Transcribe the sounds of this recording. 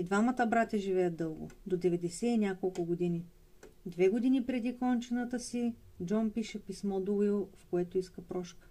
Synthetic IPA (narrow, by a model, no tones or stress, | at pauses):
id̪vamət̪əbɾat̪ʲɐʒivɛjəd̪ɤlˠɡʊ̰d̪od̪ɛvɛd̪ɛsɛinʲakolˠkʊɡod̪ini | d̪vɛɡod̪inipɾɛd̪ikɔnt͡ʃɛnət̪əsi | d͡ʒɔnpiʃɛpismɔd̪uilˠfkoɛt̪oiskəpɾɔʃkə̥